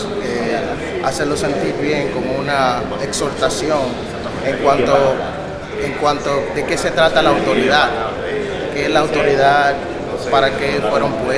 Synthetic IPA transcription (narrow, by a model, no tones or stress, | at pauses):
e | aselo̞se̞nt̪iɾβje̞ŋko̞mouna | ekso̞ɾt̪asjo̞ŋ | eŋkwant̪o | eŋkwant̪o̞ðe̞ke̞se̞t̪ɾat̪alaːwt̪o̞ɾiðað | keeslaːwt̪o̞ɾiða | paɾake̞fwe̞ɾompwe